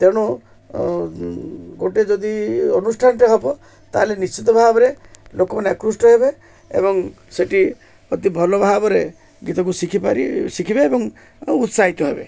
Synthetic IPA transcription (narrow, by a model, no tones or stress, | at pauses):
t̪eɽ̃ɔ | ɡoʈed͡ʒɔd̪iɔnusʈʰanʈiɦɔpɔ | t̪aɦlenist͡ʃit̪̬ɔbʱabɔɾelokɔmaneakɾusʈɔɦebe | ḛbɔŋ | seʈi | ɔt̪ibʱɔlɔbʱabɔɾe | ɡit̪ɔk̬usikʰipaɾḭsikʰibeːbɔŋ | ut̪saɦit̪ɔɦebḛ